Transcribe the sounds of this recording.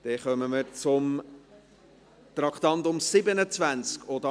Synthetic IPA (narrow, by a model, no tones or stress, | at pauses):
d̪̥ɛχœməməɾt͡sʊm | t̪ɾɑkt̪ɑnt̪ʊmsɪbənət͡svænt͡skʰod̪